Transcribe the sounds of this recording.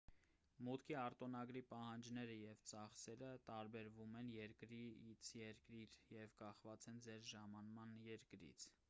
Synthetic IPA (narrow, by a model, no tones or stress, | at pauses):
mut̪kʰiɑɾt̪ɔnɑɡɾipɑhɑnd͡ʒnɛɾəjɛvt͡sɑχsɛɾət̪ɑɾbɛɾvumɛnjɛɾkɾiit͡sʰjɛɾkɾiɾjɛvkɑχvɑt͡sɛnd͡zɛɾʒɑmɑnmɑnjɛɾkɾḭt͡sʰ